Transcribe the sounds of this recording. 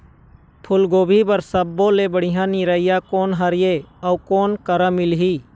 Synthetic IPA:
pʰʊlɡoːbʱibəɾsəbːõlebəɽ̤ɪɦãniɾəɪjakoːnɦəɾɪjeəukoːnkəɾə̃mɪlɦiː

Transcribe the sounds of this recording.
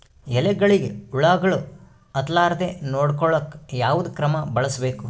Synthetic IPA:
ɛlɛɡɐɭiɡeuɭaːɡɐɭu | ɐt̪laːɾɐt̪enoːɽkɔɭɐkːjaːʋud̪ukɾɐmɐbɐɭɐsbe̞ːku

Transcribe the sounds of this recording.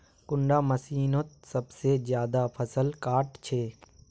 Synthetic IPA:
kʊɳɖaːməsiːnot̪̚səbsezjaːd̪apʰəsəlkaːʈt͡ʃʰeː

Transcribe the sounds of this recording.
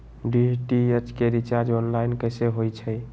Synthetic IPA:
ɖiʈiet͡ʃkeɾit͡ʃaɾd͡ʒɔnlainkəjseɦojt͡ʃʰəj

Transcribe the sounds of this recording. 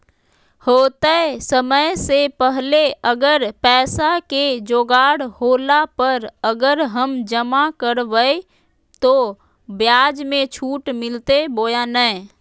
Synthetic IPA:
hoːt̪əsəməjsepəɦleəɡəɾpɛːsaked͡ʒoːɡaːɽhoːlapəɾəɡəɾɦəmd͡ʒəmakəɾʋəe | t̪o | bjaːd͡ʒmẽt͡ʃʰuːʈmɪlt̪eboːjanə

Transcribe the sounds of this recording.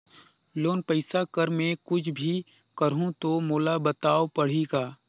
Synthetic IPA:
loːnpəɪsakəɾmẽkʊd͡ʒʰbʱi | kəɾɦũt̪omoːlabət̪aːopɐɽ̤iɡaː

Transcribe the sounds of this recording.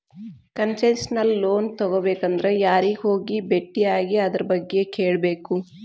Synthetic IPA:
kɐnsɐnsnɐlːoːnt̪ɔɡobeːkɐnd̪ɐɾejaːɾiɦoːɡibeʈːiaːɡiɐd̪ɐɾɐbɐɡːeke̞ːɭɐbe̞ːku

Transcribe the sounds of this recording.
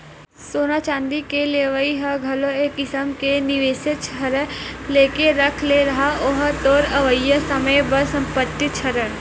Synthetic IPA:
soːnat͡ʃãːnd̪ikeleʋəiɦɐɡʱɐloeːkːɪsəmkenɪʋeːsett͡ʃʰɐɾəleːkeɾɐkʰleɾɐɦaoɦt̪oːɾɐʋəjːəsɐməjbɐsɐ̃mpət̪ːit͡ʃʰɐɾəɽ

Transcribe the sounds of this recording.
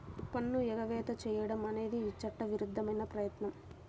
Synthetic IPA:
upɐnːuɛɡɐʋɛːt̪ɐt͡ʃɛːjɐɽɐmɐne̞ːd̪iːt͡ʃɐʈːɐʋiɾud̪ʱːɐmɐjnɐpɾɐjɐt̪nɐm

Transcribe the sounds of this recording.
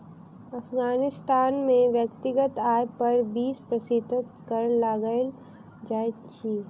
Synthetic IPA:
ɐfɡaːnɪst̪aːnmẽʋjəkt̪ɪɡət̪aːjpɐɾbiːspɾəsɪt̪ɪt̪kəɾlaɡəl | d͡ʒaːt͡ʃʰiː

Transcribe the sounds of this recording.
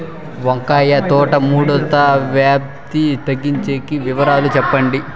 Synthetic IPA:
ʋɐŋkaːjɐt̪ɔːʈɐmuːɽɐt̪aʋjaːp̚ | t̪it̪ɐɡːiɲt͡ʃeːkiʋiʋɐɾaːlut͡ʃɛpːɐɳɖi

